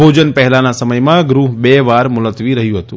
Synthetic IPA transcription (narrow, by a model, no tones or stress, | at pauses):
od͡ʒənpɛɦɛlanasəməjmãɡɾuɦbeʋaɾmʊlət̪ʋiɾəɦjũɦət̪ũ